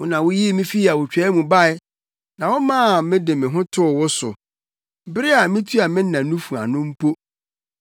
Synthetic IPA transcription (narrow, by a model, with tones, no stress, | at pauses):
wʊ˦nã˨wʊ˦ji˦mĩ˦fi˦a˨wʊ˨t͡ɕᶣɛ˨˦mũ˨ba˦˨ɪ˦ | nã˨wʊ˦mãː˦˨mɪ̃˦dɪ˨mɪ̃˨ɦʊ̃˦tʰʊ˦˨wʊ˦sʊ̰˨ | bɪ˦ɾɪ˦a˨mɪ̃˦tʰu˦a˨mɪ̃˦n˦ã˨˦nũ˦fu˨a̰˨nʊ̃˦m̩˦pʰo˦